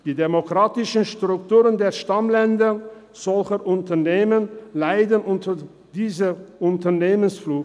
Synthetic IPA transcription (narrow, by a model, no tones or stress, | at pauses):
d̥iːdemokʁ̥aːtɪʃənʃtʁ̥ʊktuːʁəndeːɐʃtamlɛndɐ | z̥ɔlçəʔʊntɐneːmənlaɪdənʔʊntə | d̥iːzəʊntɐneːmənsfluː